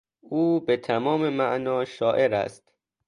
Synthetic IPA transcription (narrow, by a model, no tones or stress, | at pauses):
ʔuːbet̪ʰæmɒːmemæʔnɒːʃɒːʔe̞ɾæ̰st̪